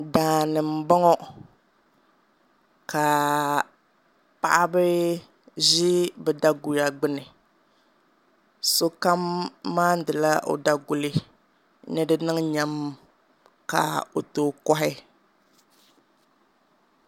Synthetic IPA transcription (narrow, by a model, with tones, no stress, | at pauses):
daː˨nɨ˨m̩˨bɔ˦ŋɔ˦ | ka˨ | pa̰˨ʔa˦bɨ˦ | ʒɪ˦bɛ˨da˦ɡʊ˨ɾa˨ɡ͡bɪ˦nɨ˨ | so˦ka˦mːaː˦n̩˦dɨ˨la˦ʔo̰˨da˦ɡʊ˨lɪ˦ | nɨ˦dɨ˦nɨ˦ŋ˦ɲa˦m | ka̰˨o˨toː˨kɔ˦ɦɪ˦